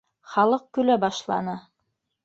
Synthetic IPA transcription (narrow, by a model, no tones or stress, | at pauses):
χɑlˠɤq̚kʉlæbɑʃlˠɑ̰nɤ